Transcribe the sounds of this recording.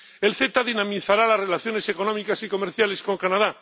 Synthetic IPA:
e̞lθe̞t̪aðinamiθaɾalazre̞laθjo̞ne̞se̞ko̞nomikasiko̞me̞ɾθjale̞sko̞ŋkanað̞a

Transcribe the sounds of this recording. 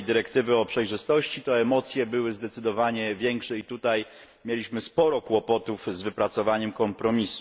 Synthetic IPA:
d̪ɘɾɛkt̪ɘvɘɔpʂɛjʐɘst̪ɔɕt͡ɕit̪ɔɛmɔt̪sʲjɛbɘwɘzd̪ɛt̪sɘd̪ɔvaɲɛvʲjɛŋkʂɛit̪ut̪aj | mʲjelʲiɕmɘspɔɾɔkwɔpɔt̪uvzvɘpɾat̪sɔvaɲɛmkɔmpɾɔmʲisu̥

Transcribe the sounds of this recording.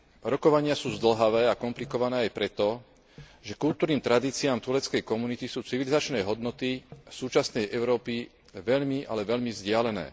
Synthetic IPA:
ɾɔkɔʋaɲɪasuːzd̪l̩ɦaʋɛːakɔmplikɔʋanɛːajpɾɛt̪ɔ | ʒɛkuʎt̪uːɾniːmt̪ɾad̪iːt͡siaːmt̪ulɛt͡skɛjkɔmunit̪isuːt͡siʋilizat͡ʃnɛːɦɔd̪nɔt̪isuːt͡ʃasnɛjʔɛʊɾɔːpi | ʋɛʎmiʔa̰lɛʋɛʎmizɟɪalɛnɛ̰ː

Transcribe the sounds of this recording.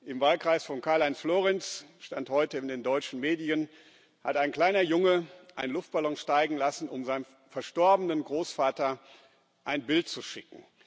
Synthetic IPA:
ʔɪmvaːlkʁ̥aɪsfɔnkʰaɐlaɪnsfloːʁɛnsʃtanthɔʏtəɪndeːndɔʏt͡ʃn̩meːdiən | ha̰taɪnkl̥aɪnɐjʊŋəʔaɪnlʊft̚b̥alɔŋʃtaɪɡŋ̩lasn̩ʊmzaɪnən | fɛɐʃtɔɐbənənɡʁoːsfaːtɐ | ʔaɪnbɪltt͡suʃɪkŋ̩

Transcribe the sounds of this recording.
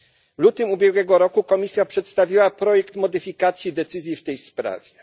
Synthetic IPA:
vlut̪ɘmubʲjɛɡwɛɡɔɾɔkukɔmʲisʲjapʂɛt̪st̪avʲiwapɾɔjɛkt̪mɔd̪ɘfʲikat̪sʲjid̪ɛt̪sɘzʲjift̪ɛjspɾa̰vʲjɛ

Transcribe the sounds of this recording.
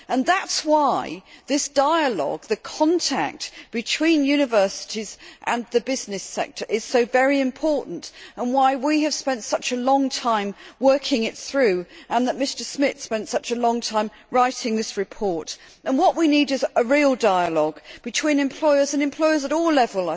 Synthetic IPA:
ə̃nðætswaɪðɪsd̥aɪəlɔ̰ɡ̚ðɨkʰɒ̃ntʰæ̰k̚tb̥ɨtʰw̥ĩnjʉnɨvɜ˞sɪ̥ɾizʔə̃nðɨbɪznɨsɛ̰k̚tʰə˞ʔɪz̥soʊvɛɹiɨ̃mpʰɔɹʔn̩tə̃nwaɪwiɨv̥spɛ̃ntsʌt͡ʃəlɔ̃ŋtʰãɪ̃mwɜ˞kʰɪ̃ŋɪt̪̚θɹʉə̃nðəʔ̚mɪstə˞smɪθspɛ̃ntsʌt͡ʃəlɔ̃ŋtʰãɪ̃m | ɹaɪtɪ̃ŋðɪsɹɨpʰɔɹt | ʔə̃nwʌʔwiniɾɨzəɹilˠdaɪəlɔɡb̥ɨtʰw̥ĩnɨ̃mpʰl̥ɔɪə˞zə̃nɨ̃mpʰl̥ɔɪə˞zəɾɔlɛvəlˠə

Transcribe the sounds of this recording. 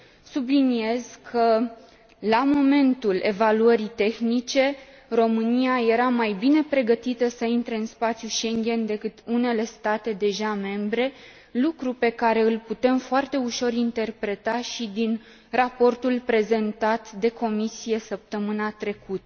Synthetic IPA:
sublinie̞z̥kʰə | lamo̞me̞nt̪ule̞̰valuəɾit̪e̞xnit͡ʃe̞ | ro̞mɨnijaje̞ɾamajbine̞pɾe̞ɡət̪it̪əsəint̪ɾe̞ɨnspat̪sjuʃe̞ŋɡʲe̞nd̪e̞kɨt̪une̞le̞st̪at̪e̞d̪e̞ʒame̞mbɾe̞ | lukɾupe̞kaɾe̞ɨlput̪e̞mfoart̪e̞uʃo̞ɾint̪e̞rpɾe̞t̪aʃid̪in | rapo̞rt̪ulpɾe̞ze̞nt̪at̪d̪e̞ko̞misije̞səp̚t̪əmɨnat̪ɾe̞kut̪ə

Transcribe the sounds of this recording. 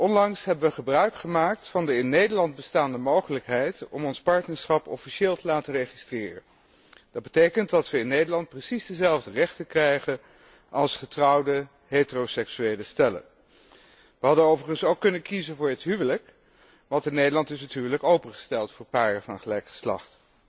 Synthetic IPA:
ʔɔnlɑŋsɦɛbəʋəχəbrœɥkχəmaːk̚tfɑndəɪnːejdəɹlɑntbəstaːndəmowχələkɦɛjtɔmɔnspɑɹtnəɹsχɑpɔfiʃeːlˠtəlaːtərejχistrɪːrə̰ | dɑd̚bətejkəntdɑtʋəɪnːejdəlɑnt̚prəsizdəzɛlˠvdərɛχtəkrɛjχən | ʔɑlˠsχətrɑwdə | ɦetərosɛksyejləstɛlə̰ | ʋəɦɑdənowvərχənsowkːɵnənkizənvʊːɹətɦyʋələk | ʋɑntɪnːejdəlɑntɪsətɦywələkowpəχə̥stɛlˠtfʊːɹpaːrəvɑnχəlɛjkχə̥slɑ̰χt

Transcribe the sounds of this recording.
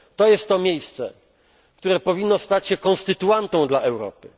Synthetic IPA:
t̪ɔjɛst̪ːɔmʲjejst̪sɛ̰ | kt̪uɾɛpɔvʲinːɔst̪at͡ɕɕɛkɔ̃nst̪ɘt̪uant̪ɔ̃w̃d̪laʔɛwɾɔ̰pɘ

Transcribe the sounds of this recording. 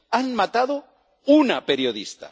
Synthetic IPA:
anmat̪aðo | unape̞ɾjo̞ðist̪a̰

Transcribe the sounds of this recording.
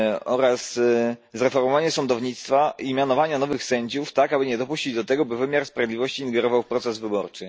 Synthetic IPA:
ɔɾas | zɾɛfɔɾmɔvaɲɛsɔnd̪ɔvɲit̪st̪faʔimʲjanɔvaɲanɔvɘxsɛɲd͡ʑuft̪akabɘɲɛd̪ɔpuɕt͡ɕid͡ʑd̪ɔt̪ɛɡɔbɘvɘmʲjaɾspɾavʲjd̪lʲivɔɕt͡ɕiːŋɡɛɾɔvawpɾɔt̪sɛzvɘbɔɾt͡ʂɘ

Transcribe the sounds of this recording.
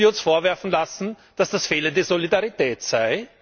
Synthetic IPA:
iɐʊnsfoːɐvɛɐfn̩lasn̩ | d̥asd̥asfeːlənd̥eːɐzolidaʁitɛːtsaɪ

